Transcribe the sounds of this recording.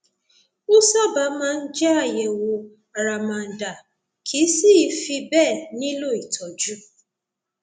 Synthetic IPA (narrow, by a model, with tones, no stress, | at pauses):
u˦sa˦ba˨˦mã˦n̩˦d͡ʒa˦a˨je˨wo˨ | ɾa˨mã˨n̩˨da˨ | kʰi˨˦si˦i˨fi˧bɛ˦˨ni˦lo˦˨i˨tʰɔ˨d͡ʒu˦